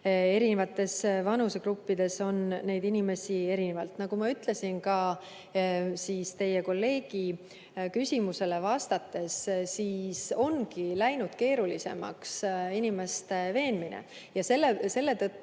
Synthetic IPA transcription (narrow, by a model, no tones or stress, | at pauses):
e̞ɾinevɑt̪ːˑe̞svɑnuse̞ɡ̥ɾupːid̪̥e̞so̞nnːe̞jd̪inime̞sie̞ɾinevɑlt̪nɑɡ̥umɑyt̪le̞sinkɑ | siːst̪e̞je̞ko̞lːe̞ːɡ̥i | kysʲimuse̞le̞vɑst̪ɑt̪ːˑe̞sːiːso̞nkilæjnud̪̥ke̞ːɾulise̞̰mɑ̰ksinime̞st̪e̞ve̞ːnminḛ | jɑse̞lːese̞lːet̪ɤt̪ːu